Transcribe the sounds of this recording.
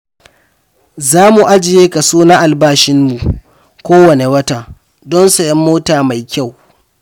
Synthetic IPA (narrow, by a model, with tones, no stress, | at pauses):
zaː˦mu˨ʔa˦d͡ʒɪ˨jeː˦ka˨soː˦na˦ʔa˨lbaː˦ʃɪ˦mːu˨ | kʷoː˦wɐ˨ne˨wɐ˦ta˨ | dɔ˦nsɐ˨jɐ˦mːoː˦taː˨ma˨jkʲa˦˨w